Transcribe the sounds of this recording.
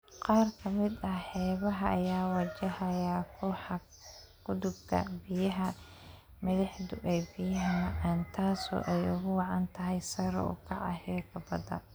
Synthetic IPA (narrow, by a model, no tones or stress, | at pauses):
qɑːrkʰɐmɪd̪ɐħɛːβɐɦɐʔːjaːwɐt͡ʃɐhɐjaːkʰʊħɑ | kʰʊd̪ʊbkʰɐ̰bɪjɐɦɐ | mɐðɪħd̪ʊʔɛjbɪjɐɦɐmɐʕɑːnt̪ʰaːsɔ̰ʔɛjʊɣʊwɑʕɑnt̪ʰɐɦɛjsɐɾɔ̰ʊ̰kʰɑʕɑ̰hɛːkʰɐbɐd̪ɐ̰